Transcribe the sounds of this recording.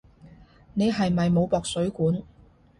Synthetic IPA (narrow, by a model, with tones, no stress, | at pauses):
ne˨˧jɦɐ˨jmɐ˨jmo˨˧wpɔː˨k̚sɵ˨˥ɥkuː˨˥n